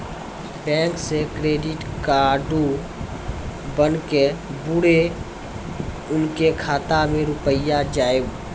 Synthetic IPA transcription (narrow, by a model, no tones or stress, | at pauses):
bɛ̃ːŋksekɾeːɖɪʈkaːɖu | bənkebʊɽe | ʊnkekʰaːt̪amẽɾʊpəjad͡ʒaːje